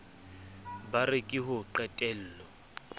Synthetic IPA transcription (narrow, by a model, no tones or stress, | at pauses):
barɪkʼɪhʊǃɛtʼɛl̩ːlɔ